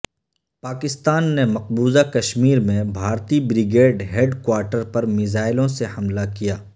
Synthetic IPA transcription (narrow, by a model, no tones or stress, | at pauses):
paːkɪst̪aːnːemɐq̚buːzakɐʃmiːɾmẽbʱaːɾt̪ibɾɪɡeːɖɦeɖkwaːɾʈəɾpɐɾmɪzaːɪlõsehɐmlakijaː